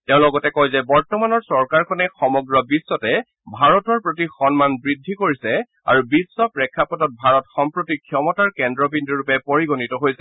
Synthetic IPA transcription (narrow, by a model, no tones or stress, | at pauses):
teʊ̃lɔɡɔtɛkɔjzɛbɔɹtɔmanɔɹsɔɹkaɹkʰɔnɛxɔmɔɡɹɔbisːɔtɛ | bʱaɹɔtɔɹpɹotixɔnmanbɹidʱːikoɹisɛ | a̰ɹubisːɔpɹɛkʰːapɔdɔt̚bʱaɹɔtxɔmpɹotikʰjɔmɔtaɹkɛndɹɔbindiɹupɛpoɹiɡɔnitɔɦojsɛ